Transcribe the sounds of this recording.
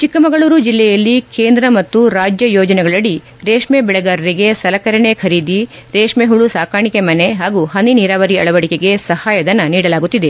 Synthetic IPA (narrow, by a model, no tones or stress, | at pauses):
t͡ʃikːɐmɐɡɐɭuːɾud͡ʒilːɛjɐlːikeːnd̪ɾɐmɐt̪ːuɾaːd͡ʒjɐjɔːd͡ʒɐnɛɡɐɭɐɽi | ɾeːʂmebɛɭɐɡaːɾɐɾiɡe̞sɐlɐkɐɾɐɳekʰɐɾiːd̪iɾeːʂmeɦuɭusaːkaːɳikemɐneɦaːɡuɦɐniniɾaːʋɐɾiɐɭɐʋɐɽikeɡe̞sɐhaːjɐd̪ɐnːɐniːɽɐlaːɡut̪ːid̪e̞